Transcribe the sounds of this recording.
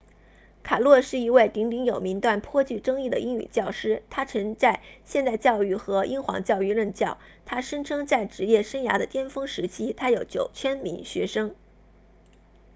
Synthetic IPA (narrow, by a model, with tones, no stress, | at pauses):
kʰa˨˩lwɔ˥˧ʂɻ̩˥˩i˧˥we˥˩ɪt̪i˧˥ŋt̪i˧˥ŋjo˨˩ʊmi˧˥ŋt̪wa˥˩npʰwɔ˥t͡ɕy˥˩ʈ͡ʂɤ˥ŋi˥˩d̪ə̰˩ʔi˥ŋy̰˨˩t͡ɕjɑ˥˩ʊʂɻ̩˥t̪ʰa˥ʈ͡ʂʰɤ˧˥ŋt͡sa˥˧ɪɕjɛ˥˧nt̪a˥˧ɪt͡ɕjɑ˥˧ʊy˥˩xɤ˧˥ʔi˥ŋxwɑ̰˧˥ŋt͡ɕjɑ˥˧ʊy˥˧ɻə˥˧nt͡ɕjɑ˥˩ʊt̪ʰa˥ʂə˥ŋʈ͡ʂʰɤ˥ŋt͡sa˥˩ɪʈ͡ʂɻ̩˧˥jɛ˥˩ʂə˥ŋja̰˧˥d̪ə˧t̪jɛ˥nfɤ˥ŋʂɻ̩˧˥t͡ɕʰi˥t̪ʰa˥jo˨˧˥ʊt͡ɕjo˨˩ʊt͡ɕʰɥɛ˥nmi˧˥ŋɕɥɛ˧˥ʂɤ˥ŋ